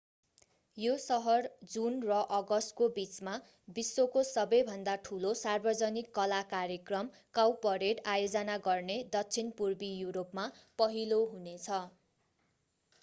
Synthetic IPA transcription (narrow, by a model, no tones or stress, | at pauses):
josʌɦʌrd͡zunrʌʔʌɡʌsʈkobit͡sma | bisːokosʌbʌjbʱʌnd̪aʈʰulosarbʌd͡zʌnikːʌlakarjekrʌm | kawpʌɾeʈajod͡zʌnaɡʌrned̪ʌkt͡sʰinpurbijuɾopmapʌɦiloɦunet͡sʰʌ